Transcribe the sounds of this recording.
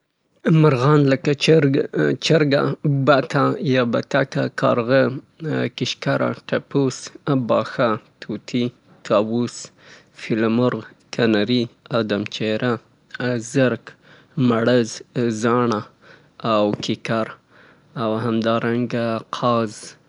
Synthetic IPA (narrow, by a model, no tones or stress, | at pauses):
maɾɣɑnləka | t͡ʃəɾɡa̰bat̪ajɑbat̪akakɑ̰ɾɣə | kɪʃkaɾʔa̰ʈapusbɑxat̪ʰut̪ʰi | t̪ʰɑwus | fɪlamʊɾɣkʰanaɾiad̪amt͡ʃeɾʔa | zəɾk | maɽəzzɑɳa | awkɪkaɾ | awhamd̪ɑɾaŋɡaqʰɑz